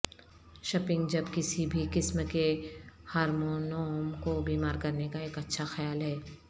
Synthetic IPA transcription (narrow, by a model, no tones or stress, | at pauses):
ʃɐpɪ̃ŋɡd͡ʒɐbkɪsibʱikɪsmkehaːɾmoːnoːmkobiːmaːɾkɐɾnekaeːkɐtːʃʰaxɐjaːlɦɛː